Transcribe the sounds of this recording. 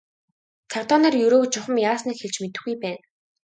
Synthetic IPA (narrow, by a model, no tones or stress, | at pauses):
t͡sʰar̥t̪ɔːneːrjɵɾoːt͡ɕʊχə̆mjaːsniːkxeɮt͡ɕmet̪ɘ̆xɡujpæːn